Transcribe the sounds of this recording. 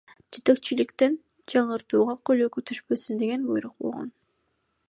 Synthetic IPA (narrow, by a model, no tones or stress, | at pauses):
d͡ʒe̞t̪e̞k̚t͡ʃilikt̪en | d͡ʒɑɴɯɾt̪uːʁɑkøløkyt̪ʰyʃpø̞synd̪e̞ɡe̞nbujɾuq̚bo̞̰lˠʁo̞̰n